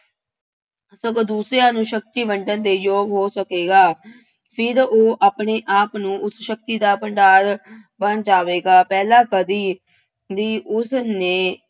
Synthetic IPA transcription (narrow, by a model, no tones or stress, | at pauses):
sə̃kod̪uːsɾejãːnũːʃək̚t̪iːʋəɳɖənd̪eːjoːɡɦoːsəkeːɡaː | pʰɪɾoːʔaːpɳeːʔaːpnũːʔʊsʃək̚t̪iːd̪aːpəɳɖaːɾbənd͡ʒaːʋeːɡaːpɛːlãːkəd̪iː | d̪iːʔʊsnẽː